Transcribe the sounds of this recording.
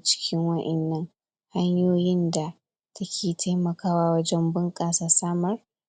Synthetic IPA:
t͡ʃɪ̥˦kʲɪ˦ŋwɐ˦ʔɛ˨nːɐ˦ŋ | ha˦ɲjoː˦jɪ˦nda˨ | tʰɐ˦kʲʰeː˨tʰa˦jmɐ˨kaː˦waː˦wɐ˦d͡ʒɛ˦mbɨ˦ŋkʼaː˨saː˨˦saː˦mɐ˦r

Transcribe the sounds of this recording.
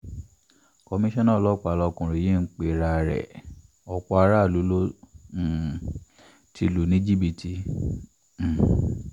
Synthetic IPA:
kɔ˧mĩ˧ʃɔ̃˦nã˦˨lɔ˦k͡pa˨lɔ˧kũ˨ɾe˨ji˦˨n̩˦k͡pe˨ɾa˧˨ɾɛ̰˨ | ɔ˧kɔ˧a˧ɾa˦˨lu˨˦lo˦˨ | tʰi˧lu˨nĩ˨˦d͡ʒi˦bi˧tʰi˧˨

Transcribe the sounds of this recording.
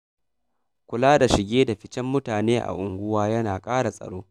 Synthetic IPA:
kʷʊ˨laː˦da˨ʃɪ˨ɡʲeː˦da˨ɸɪ˦t͡ʃɛ˦mːʊ˦taː˨neː˦ʔa̰˨ʔʊ˨ŋɡʷʊ˦waː˦jɐ˦naː˨kʼaː˦ɽa˨sʼɐ̰˨ɽoː˦

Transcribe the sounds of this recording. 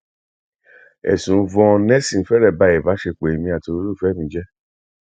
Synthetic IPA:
ɛ̰˨sũ˨˦vɔ̃˧nɛ˦sĩ˦˨˦fɛ˦ɾɛ˦˨ba˨˧˦ɛ˨va˨˦ʃe˧k͡pe˨i˨mĩ˧a˨to˧˦ɾu˦˨fɛ˨˦mĩ˧˦d͡ʒɛ˦

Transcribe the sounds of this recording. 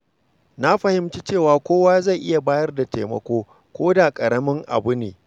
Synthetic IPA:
na˦ɸɐ˨hɪ˨mt͡ʃi˦t͡ʃeː˦˨waː˨kʷoː˦waː˦za˦˨jʔɪ˦ja˨baː˦jɐ˦rda˨tḛː˨mɐ̰˨kʷoː˦ | kʷoː˦da˨kʼɐ˨ɾɐ˦mɪ˦ŋʔa̰˨bʊ˦neː˨

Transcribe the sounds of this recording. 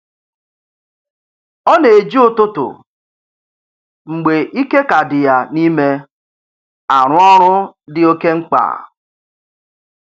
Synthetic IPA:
ɔ˦ne˨e˨d͡ʒi˦ʊ˨tʊ˦tʊ̰˨ | ŋ͡m̩˨ɡ͡be˨ʔi˦ke˦ka˨dɪ˨ja˨ni˦me˦ | a˨ɾʊ˦ɔ˦ɾʊ˦dɪ˨o˦ke˦ŋ͡m̩˦k͡pa̰ː˨

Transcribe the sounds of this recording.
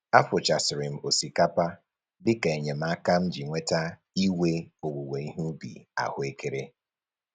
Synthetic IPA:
a˦fʊ˨t͡ʃa˨sɪ˨ɾɪ˨m̩˨o˨si˨ka˦pa˦ | bɪ˦ka˨e˨ɲe˨m̩˨˦a˦ka˦m̩˦d͡ʒi˨ŋʷe˦ta˦ | i˦we˦o˨wu˨we˨i˦ɦu˦bḭ˨a̰˨hʊ˦e˦ke˦ɾe˦

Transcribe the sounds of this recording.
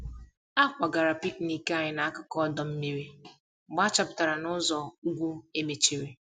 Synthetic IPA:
a˦kʷa˨ɡa˨ɾa˨pi˦k̚ni˦ke˦a˦˨ɲɪ˦na˨a˦kʊ˦kɔ˦dɔ˨m̩˦me˦ɾi˦˨ | ɡ͡ba˦a˦t͡ʃa˨pʊ˨ta˨ɾa˨nʊ˦zɔ˨u˦ɡʷu˦e˦me˨t͡ʃi˦˨ɾe˨

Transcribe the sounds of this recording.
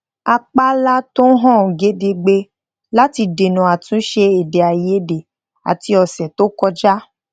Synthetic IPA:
a˧k͡pa˦la˦to˦ɦɔ̃˦˨ɡe˨˦de˧ɡ͡be˧ | la˦ti˧de˨nũ˨a˨tũ˨˦ʃe˧e˨de˨a˨je˨˦de˨ | a̰˨ti˧ɔ˧sɛ˨to˦kɔ˦d͡ʒa˦

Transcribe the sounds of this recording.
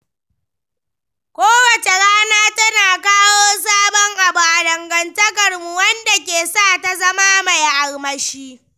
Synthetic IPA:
kʷoː˦wɐ˨t͡ʃe˨ɽaː˦naː˦tɐ˦naː˨kaː˦woː˦s̬aː˦bɔ˦ŋʔa˨bu˨ʔa˨dɐ˨ŋɡɐ˨ntɐ˦kɐ˨rmu˨wɐ˦nda˨k̬ʲeː˨saː˦˨ta˨zɐ˦maː˦ma˨jʔa˨lmɐ˦ʃiː˦

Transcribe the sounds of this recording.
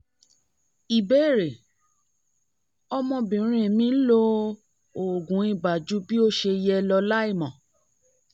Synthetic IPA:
i˨be˨˦˨ɾe˨ | ɔ˧mɔ̃˧bĩ˨˦ɾ̃ĩ˨mĩ˧˦lo˧ | o˨ɡũ˨˦i˦˧˨ba˨d͡ʒu˨˦bi˦o˦ʃe˧jɛ˧lɔ˧la˦i˦˨mɔ̃˨

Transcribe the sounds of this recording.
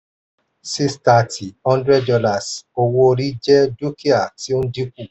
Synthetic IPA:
si˦sta˨tʰi˨ɔ̃˦ndɾɛ˦ddɔ˧la˨so˧wo˧ɾi˦d͡ʒɛ˦du˦ki˦a˨ti˨˦o˦di˦k̚ʷu˦˨

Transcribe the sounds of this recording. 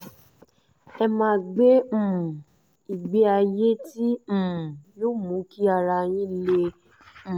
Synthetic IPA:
ɛ˧mãː˧˦ɡ͡bẽ˦˨ | i˨ɡ͡be˨˦a˧je˦tĩ˦˨jo˦mũ˨˦ki˦a˧ɾa˧j̃ĩ˦lẽ˧˨

